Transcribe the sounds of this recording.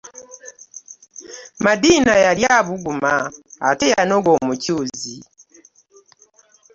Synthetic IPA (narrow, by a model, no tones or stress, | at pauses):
madiːnajaljaβuɡuma̰ːtejanoɡo̞mucuːzi